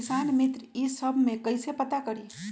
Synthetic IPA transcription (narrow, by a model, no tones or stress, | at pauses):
isanmit̪ɾisəbʱmekəjsepət̪akəɾi